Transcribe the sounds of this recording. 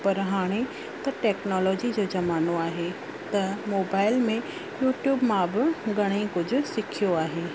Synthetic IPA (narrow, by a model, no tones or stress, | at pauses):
pɐɾɦaːɽ̃e | t̪ɐʈɛːknɔːlɔːd͡ʑid͡ʑoːd͡ʑɐmaːnoaːɦe | t̪ɐmoːbaːɪlmẽ | juːʈjuːbmãbɪɡɐɽ̃ikʊd͡ʑʱʊ̆sɪkʰijoaːɦeː